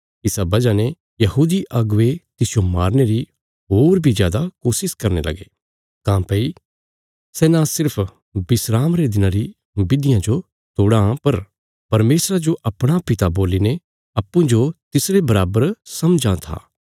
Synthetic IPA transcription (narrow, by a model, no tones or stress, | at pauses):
ɪsabɐd͡ʒane | jɐɦuːd̪iʔɐɡʋet̪ɪsɪjomaːɾneɾi | ɦoːɾbʱizjaːd̪akoːsɪskɐɾnḛlɐ̰ɡeː | t̪ãːpɐi | sɛːnãsɪɾpʰ | bɪsɾaːmɾed̪ɪnãɾi | bɪd̪ɪjãd͡ʒo | t̪oːɽãpɐɾ | pɐɾmeːsɾad͡ʒoʔɐpɽ̃apɪt̪aboːline | ɐpːũd͡ʒot̪ɪsɾebɐɾaːbəɾsɐmd͡ʒãt̪ʰa̰ː